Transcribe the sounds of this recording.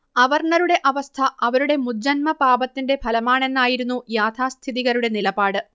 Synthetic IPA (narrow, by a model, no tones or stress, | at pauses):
ɐʋɐrɳɐɾuɽe̞ʔɐʋɐst̪ʰɐʔɐʋɐɾuɽe̞mud͡ʑːɐnmɐpaːbɐt̪ːinde̞bʱɐlɐmaːɳe̞nːaːjiɾunːujaːt̪ʰaːst̪ʰiðiɣɐɾuɽe̞nilɐbaːɽɨ